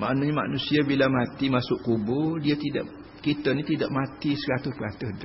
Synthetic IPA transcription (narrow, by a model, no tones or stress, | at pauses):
ma̰ʔnaɲama̰nusiabilamat̪imasʊʔkubʊdiat̪ida̰ʔ | kit̪ənĩt̪idaʔmat̪isəɾat̪ʊpəɾat̪əhd